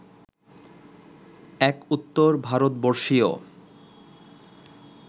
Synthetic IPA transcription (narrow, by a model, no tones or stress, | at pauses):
ɛkut̪ːoɾbʱaɾot̪̚boɾʃio̰